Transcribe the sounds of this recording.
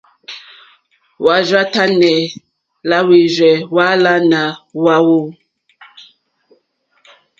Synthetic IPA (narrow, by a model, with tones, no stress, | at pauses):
wa˨ʒa˦ta˦nɛ˨ | la˦wi˨zɛ˨wa˦la˦na˨wa˦wo˦